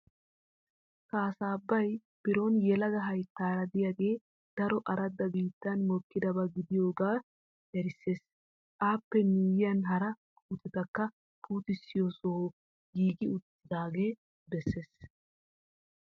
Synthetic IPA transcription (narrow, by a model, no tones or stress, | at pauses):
kaːsaːbːɐj | b̥ɪɾo̞ːnjɛlɐɡ̪ɐɦɐjt̪ːaːɾɐd̪ɪjaːɡe̞ː | d̪̥ɐɾɔʔɐɾɐd̪ːɐbiːt̪ːɐnmɔkːɪd̪ɐbɐɡɪd̪ɪjo̞ːɡaː | ʔɛɾɪsːe̞ːsʼ | aːpːɛniːjɪjɐnɦɐɾɐ | kʼuːt̪ɛt̪ɐkːɐ | pʰuːt̪ɪsːɪjo̞ːso | ɡiːɡɪʊt̪ːɪd̪aːɡeː | bɛsːe̞ːs